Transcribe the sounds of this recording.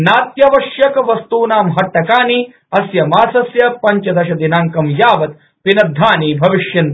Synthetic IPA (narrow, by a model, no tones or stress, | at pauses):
naːt̪jɐʋɐʃjɐkɐʋɐst̪uːnaːmɦɐʈːɐkaːni | ɐsjɐmaːsɐsjɐpɐɲt͡ʃɐd̪ɐʃɐd̪inaːŋkɐmjaːʋɐt̪̚ | pinɐd̪ʱːaːniːbʱɐʋiʃjɐn